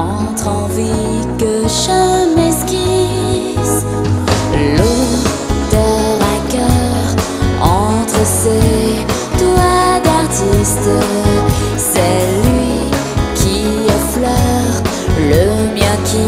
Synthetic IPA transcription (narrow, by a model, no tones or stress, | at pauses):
ɑ̃t̪χɑ̃vi | kəʒəmɛskʲi | s | lo | d̪əʁakœʁ | ɑ̃t̪χəse | t̪ad̪aʁt̪ist̪ | sɛlɥi | kʲʰiəflœʁ | ləmjə̃kʲi